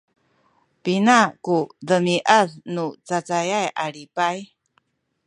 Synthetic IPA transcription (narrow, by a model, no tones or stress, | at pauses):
pinakudəmiʔəðnut͡sat͡sajajʔaɭipaj